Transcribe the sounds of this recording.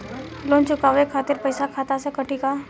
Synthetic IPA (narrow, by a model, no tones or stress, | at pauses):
loːnt͡ʃʊkaʋekʰaːt̪ɪɾpəɪsakʰaːt̪asekɐʈikaː